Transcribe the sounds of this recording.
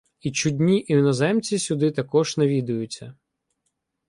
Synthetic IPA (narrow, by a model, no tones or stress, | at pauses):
it͡ʃʊdʲnʲiʔiwnɔzɛmt͡sʲisʲʊd̪ɪt̪ɐkɔʒnɐʋʲid̪ʊjʊt͡sʲːɐ